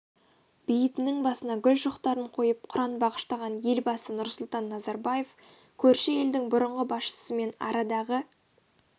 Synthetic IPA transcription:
b̥ijɪt̪ɪnɪŋbɑsənɑɡʲʏlʒoqt̪ɑɾəɴqʰo̞jəp̚qʰʊɾɑnbɑʁə̥ʃt̪ɑʁɑnje̞lbɑsənʊɾsʊlˠt̪ɑnːɑzɑɾbɑje̞f | kʲʰɵɾʃɪe̞ld̪ɪŋbʊɾəɴʁəbɑsʃə̥səme̞nɑ̰ɾɑd̪ɑʁə

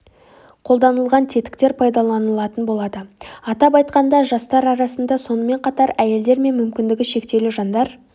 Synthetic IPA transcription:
qʰo̞lˠd̪ɑnəlˠʁɑnt̪ʰe̞t̪ɪ̥kt̪e̞ɾpʰɑjd̪ɑlˠɑnəlˠɑt̪ənbo̞lˠɑd̪əɑt̪ɑp̬ɑjt̪qɑnd̪ɑʒɑst̪ɑɾɑɾɑsənd̪ɑso̞nəme̞ɴqʰɑt̪ɑɾæje̞ld̪e̞ɾme̞nmʏmkʲɪnd̪ɪɡʲɪʃe̞kt̪e̞lɪʒɑnd̪ɑɾ

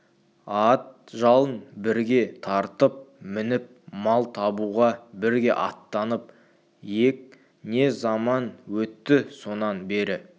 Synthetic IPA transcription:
ɑt̪̚ | ʒɑlˠənbɪɾɡʲe̞t̪ʰɑɾt̪əp̚mɪnɪp̚mɑlˠt̪ʰɑbuʁɑbɪɾɡʲe̞̰ʔɑ̰t̪ːɑnəp̚ | je̞k̚ | ne̞zɑmɑnwɵt̪ːɪso̞nɑnbe̞ɾɪ

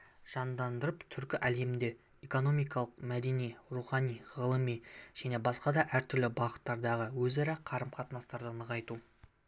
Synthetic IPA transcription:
ʒ̥ɑnd̪ɑnd̪əɾəpt̪ʰʏɾkʲɪʔæle̞mɪnd̪e̞ | eko̞no̞mijkɑlˠəqmæd̪e̞nijɾuχɑnijʁəlˠəmiʒ̥æne̞bɑsqɑd̪ɑʔæɾt̪ʰʏɾlɪbɑʁət̪ːɑɾd̪ɑʁəwɵzɑɾɑqʰɑɾəmqʰɑt̪nɑst̪ɑɾd̪ənəʁɑjt̪u

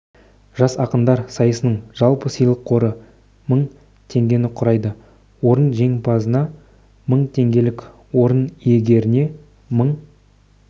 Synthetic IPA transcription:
ʒ̥ɑsɑqənd̪ɑɾsɑjəsənəɴʒ̥ɑlˠpəsəjlˠəqʰːo̞ɾə | məɴ | t̪ʰe̞ŋɡʲe̞nɪqʰʊɾɑjd̪ə | wo̞ɾənʒe̞ŋpʰɑzənɑ | məɴt̪ʰe̞ŋɡʲe̞lɪk | wo̞ɾənije̞ɡʲe̞ɾɪne̞ | məɴ

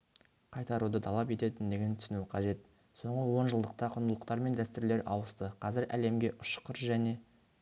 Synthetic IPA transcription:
qʰɑjt̪ɑɾud̪ət̪ʰɑlˠɑpe̞t̪e̞t̪ɪnd̪e̞ɡʲent̪ʰʏ̥sɪnuqʰɑʒe̞t̪̚ | so̞ɴʁəwo̞nʒəlˠd̪əq̚t̪ɑqʰʊɾnd̪əlˠəqt̪ɑɾme̞nd̪æst̪ʏɾle̞ɾʔɑ̰wəst̪əqʰɑzɪɾʔæ̰le̞mɡʲe̞ʔʊʃqʰəɾʒæne̞

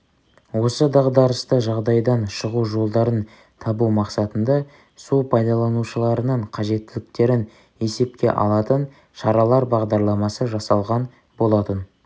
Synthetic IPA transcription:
wo̞səd̪ɑʁd̪ɑɾəst̪əʒɑʁd̪ɑjd̪ɑnʃəʁuʒo̞lˠd̪ɑɾən | t̪ʰɑbumɑqsɑt̪ənd̪ɑ | supʰɑjd̪ɑlˠɑnuʃəlˠɑɾənəɴqʰɑʒe̞t̪ːɪlɪk̚t̪e̞ɾɪn | e̞se̞p̚kʲe̞̰ʔɑ̰lˠɑt̪ən | ʃɑɾɑlˠɑɾbɑʁd̪ɑɾlˠɑmɑsəʒɑsɑlˠʁɑn | bo̞lˠɑt̪ən

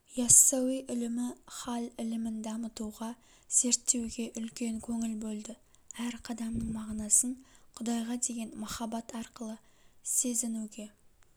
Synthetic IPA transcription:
jɑsːɑwijʔʏlɪmɪχɑlɪlɪmɪnd̪ɑmət̪uʁɑ | z̥e̞ɾt̪ːe̞wɡʲe̞ʔʏlkʲe̞ŋkʲʰɵŋɪlbɵlˠd̪ɪ | æɾqʰɑd̪ɑmnəɴmɑʁnɑsəɴqʰʊd̪ɑjʁɑd̪e̞ɡʲe̞nmɑχɑbɑt̪ɑɾqəlˠə | se̞zɪnuɡʲe̞

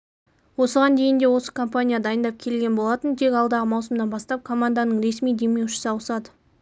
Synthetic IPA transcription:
wo̞səʁɑnd̪e̞jɪnd̪e̞wo̞sə̥kʰo̞mpanʲijad̪ɑjənd̪ɑp̚kʲʰe̞lɡʲe̞nbolˠɑt̪ənt̪ʰe̞kʲɑlˠd̪ɑʁəmɑwsəmd̪ɑnbɑst̪ɑp̚kʰo̞mand̪ɑnəɴɾe̞smijd̪e̞me̞wʃɪ̥sɪɑwəsɑd̪ə

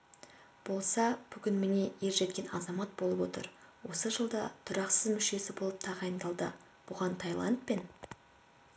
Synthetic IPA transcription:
b̥o̞lˠsɑb̥ʏkʲɪnmene̞je̞ɾʒe̞t̪̚kʲe̞nɑzɑmɑt̪̚bo̞lˠəpwo̞t̪ə̰ɾwo̞səʒəlˠd̪ɑt̪ʰʊɾɑqsəzmʏʃe̞sɪbo̞lˠəp̚t̪ʰɑʁɑjənd̪ɑlˠd̪ə | b̥ʊʁɑnt̪ʰɑjlˠɑ̰nt̪̚pe̞n

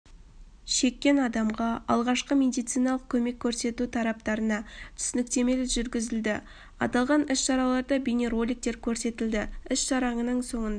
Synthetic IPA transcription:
ʃe̞kʲːe̞nɑd̪ɑmʁɑɑ̰lˠʁɑʃqəme̞d̪ijt̪sijnɑlˠəq̚kʲʰɵme̞kʲʰːɵɾse̞t̪ut̪ʰɑɾɑp̚t̪ɑɾənɑt̪ʰʏ̥sɪnɪkt̪e̞me̞lɪʒʏɾɡʲɪzɪld̪ɪ | ɑ̰t̪ɑlˠʁɑnɪsʃɑɾɑlˠɑɾd̪əbʲejneɾo̞lʲik̚t̪e̞ɾkʲʰɵɾse̞t̪ɪld̪ɪɪsʃɑɾɑɴənəɴso̞ɴənd̪

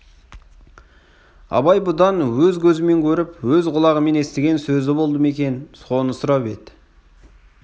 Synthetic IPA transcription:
ɑ̰bɑjbʊd̪ɑnwɵzkʲʰɵzɪme̞ŋkʲʰɵɾɪpwɵzʁʊlˠɑʁəme̞ne̞st̪eɡʲe̞nsɵzɪbo̞lˠd̪əme̞kʲe̞nso̞nəsʊɾɑpe̞d̪ɪ

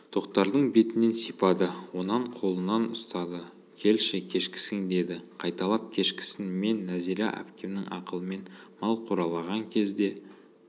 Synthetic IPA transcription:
t̪ʰo̞qt̪ɑɾd̪əɴbe̞t̪ɪne̞nsijpɑd̪əwo̞nɑɴqʰo̞lˠənɑnʊst̪ɑd̪ə | kʲʰe̞lʃɪkʲʰe̞ʃkʲɪ̥sɪŋd̪e̞d̪ɪqʰɑjt̪ɑlˠɑp̚kʲʰe̞ʃkʲɪ̥sɪnme̞nːæziɾɑ̰ʔæ̰pkʲe̞mnɪŋɑ̰qəlˠəme̞nmɑlˠqʰoɾɑlˠɑʁɑŋkʲʰe̞zd̪e̞

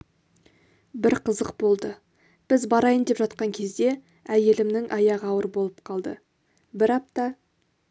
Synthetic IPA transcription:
bɪɾqʰəzəq̚bo̞lˠd̪ə | b̥ɪzbɑɾɑjənd̪e̞pʒɑt̪̚qɑŋkʲʰe̞zd̪e̞ | æje̞lɪmnɪŋʔɑjɑʁɑwəɾbo̞lˠəp̚qʰɑlˠd̪ə̰ | bɪɾɑp̚t̪ɑ

